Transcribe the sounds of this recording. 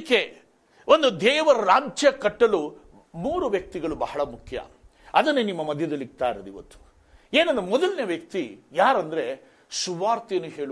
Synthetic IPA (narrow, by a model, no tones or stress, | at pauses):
kːe | ond̪ud̪ɛːʋɐɾɐɾaːɲt͡ʃjɐkɐʈːɐlu | muːɾuʋjɐk̚t̪iɡɐɭubɐhɐɭɐmukʰjɐ̰ | ɐd̪ɐnːenimːɐmɐd̪ʱjɐd̪ɐlːiɡt̪aːjɾɐd̪iʋɐt̪ːu̥ | eːnɐnd̪ɾemɔd̪ɐlneʋjɐk̚t̪ijaːɾɐnd̪ɐɾe̞ | suʋaːɾt̪ijɐnːuɦeːɭu